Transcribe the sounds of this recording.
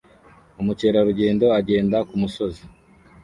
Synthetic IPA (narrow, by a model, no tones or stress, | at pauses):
umuce̞ːɾaɾuɟe̞ːndo̞aɟe̞ːndakumuso̞zi